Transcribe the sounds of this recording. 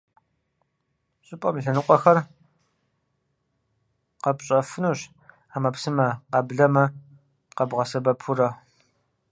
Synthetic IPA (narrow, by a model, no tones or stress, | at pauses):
ɕʼɪpʼɐmiɬɐnɨqʷʼɔxɐr | qɐpɕʼɐfɨnuːɕ | aːmɐpsɨmɐqɐbɮɐmɐ | qɐbʁɐsɐbɐpʰurɐ